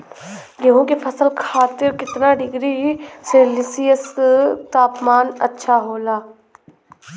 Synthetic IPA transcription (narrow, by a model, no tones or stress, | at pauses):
jɐɦõkepʰɐsəlkʰaːt̪ɪɾkɪt̪naɖɪɡɾiselɪsijəst̪aːpmaːnɐ̰tːʃʰaɦoːlaː